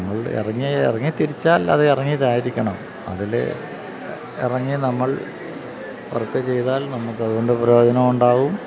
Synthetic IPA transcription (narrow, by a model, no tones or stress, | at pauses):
mːɐɭḭrɐŋːiḭrɐŋːit̪ːiɾit͡ɕːaːlɐ̰ðɨirɐŋːijðaːjiɾikʲːɐɳɐm | ɐ̰ðilḛ | ḭrɐŋːinɐmːɐɭ | pɐ̰rt̪ːɐt͡ɕe̞jt̪aːlnɐmːukːɐðuɣo̞ɳɖɨpɐɾoːd̪ʱɐnɐmuɳɖaːɣum